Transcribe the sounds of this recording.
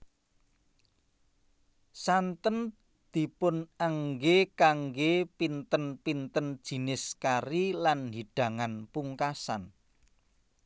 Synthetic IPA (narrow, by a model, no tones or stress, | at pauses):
sant̪ən | d̪̥i̤pʊnaŋɡekaŋɡepint̪ənpint̪ənd̥ʒ̥i̤nɪskaɾilanɦiɖ̥ä̤ŋanpuŋkasa̰n